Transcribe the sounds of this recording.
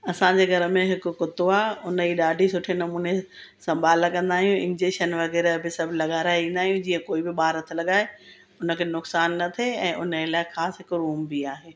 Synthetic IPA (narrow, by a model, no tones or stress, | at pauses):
ɐsãɲd͡ʑeːɡʱɐɾə̆mẽɦɪkʊ̆kʊt̪oaːʊnəiɗaːɖʱisʊʈʰenɐmuːne | sɐ̃mbʱaːlkɐ̃nd̪aːɦijũɪ̰̃nd͡ʑeːʃənʋɐɣɛːɾbɪsɐbʱlɐɠaːɾaːɪʋĩːn̆d̪aːɦijũd͡ʑiːə̃koːibɪɓaːɾət̪ʰlɐɠaːe | ʊnə̆kʰeːnʊksaːnːɐt̪ʰeɛ̃ːʔʊnəelaːɪxaːsɦɪkɾuːmbiaːɦeː